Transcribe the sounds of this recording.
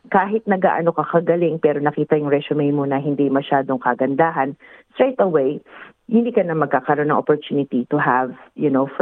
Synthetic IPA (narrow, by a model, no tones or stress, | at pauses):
kaːɦɪt̪̚nɐɡa̰ʔɐnokɐkɐɡɐlɪŋpɛːɾo̞nɐkiːt̪ɐjʊŋɹɛsʊmejmonɐɦɪnd̪imɐʃaːd̪o̞ŋkɐɡɐnd̪aːɦɐnst̪ɹejt̪ɐwej | hɪnd̪iːkɐnɐmɐɡ̚kːakɐɾo̞nɐŋʔopoɹt̪junɪt̪it̪ʊɦɐvjʊnof